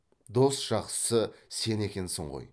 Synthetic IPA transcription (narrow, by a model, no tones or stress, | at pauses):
d̪o̞st̪ʒ̥ɑqsə̥səse̞ne̞kʲe̞nsɪɴʁo̰j